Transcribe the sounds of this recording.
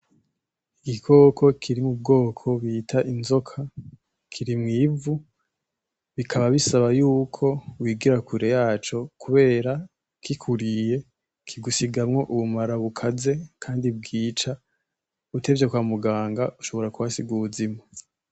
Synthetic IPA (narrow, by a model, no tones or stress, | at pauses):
iɡikʰo̞kʰo̞kʰiɾimub̚ɡo̞ːkʰo̞βiːtʰaʔinzo̞kʰa | kʰiɾimŋiːvu | βikʰaβaβisaβajuːkʰo̞wiːɡiɾakuɾe̞jaːt͡ʃo̞kʰuβe̞ːɾa | kikʰuɾije̞ | kʰiɡusiɡamŋo̞ʔuβumaɾaβukʰaze̞kʰaːndib̚ɡiːt͡ʃa | ute̞vjekwaːmuɡaːŋɡauʃo̞βo̞ɾakuβasiɡuːzimo